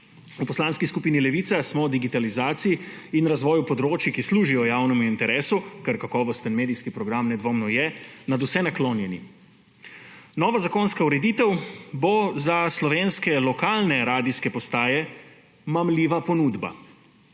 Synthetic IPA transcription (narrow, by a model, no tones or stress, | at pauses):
upɔslaːnskiskupiːnilɛʋiːt̪sasmɔd̪iɡit̪alizaːt̪sijiinɾazʋɔːjupɔd̪ɾoːt͡ʃikisluːʒijɔjaːwnɛmuint̪ɛɾeːsukɛɾkakɔːʋɔst̪ənmeːd̪ijskipɾɔɡɾamnɛd̪ʋoːmnɔjɛnad̪usɛnakloːnjɛnḭ | nɔːʋazakonskauɾɛd̪iːt̪ɛwbozaslɔʋeːnskɛlɔkaːlnɛɾaːd̪iskɛpɔst̪aːjɛ | mamliːʋapɔnuːd̪ba̰